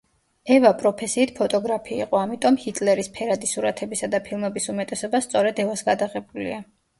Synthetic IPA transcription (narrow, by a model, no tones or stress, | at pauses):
ɛvapʼɾɔpʰɛsiːt̪ʰpʰɔt̪ʼɔɡɾapʰḭːqʼɔamit̪ʼɔmhit̪ʼlɛɾispʰɛɾad̪isuɾat̪ʰɛbisad̪apʰilˠmɛbisumɛt̪ʼɛsɔbast̪sʼɔɾɛd̪ɛvasɡad̪aʁɛbulḭa